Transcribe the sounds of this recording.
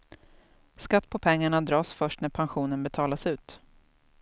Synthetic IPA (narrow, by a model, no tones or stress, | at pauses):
skat̪ːpʰɔpʰɛŋːaɳad̪ɾɑːsfœʂʈnæɾpʰanɧuːnənbɛt̪ʰɑːlasʉ̟ːt̪